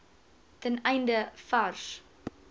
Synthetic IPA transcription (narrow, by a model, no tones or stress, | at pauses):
tənɛjndəfɐrs